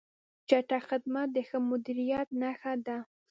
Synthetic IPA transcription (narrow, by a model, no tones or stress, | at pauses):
t͡ʃaʈaxɪd̪mat̪̚d̪əxəmʊd̪iɾijat̪naxad̪a